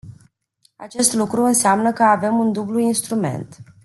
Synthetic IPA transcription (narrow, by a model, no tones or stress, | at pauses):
a̰t͡ʃe̞st̪lukɾuɨnseamnəkəave̞mund̪ubluinst̪ɾume̞̰nt̪